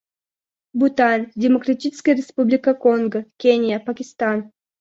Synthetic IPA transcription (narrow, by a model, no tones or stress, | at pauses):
but̪anʲdʲɪmokɾatʲit͡ʃɪ̥skʲəjɾʲɪspublʲɪkakoŋɡəkʲenʲjapakʲist̪an